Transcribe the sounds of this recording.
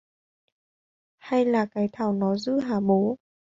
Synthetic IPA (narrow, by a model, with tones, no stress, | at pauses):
ha˧jlaː˨˩kaː˨˦jt̪ʰaː˧˩wnɔ˨˦zɨ̰˧˥ɦaː˧˩ɓo˨˦